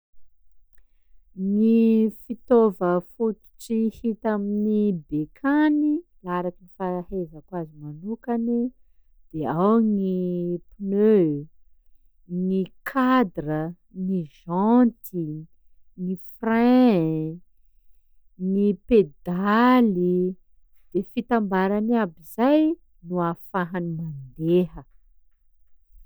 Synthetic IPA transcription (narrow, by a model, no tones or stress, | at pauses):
nifit̪ovəfut̪u̥ʈ͡ʂihit̪aminibekʰanilaɾakinifahezəkwazimanukani | d̪̥eawŋipinø | ŋikʰad̪rə | niʒant̪ʰi | nifrɛ̃ | ŋniped̪ali | d̪̥efit̪ambaɾanabizaj | nuafaɦanimand̪eɦə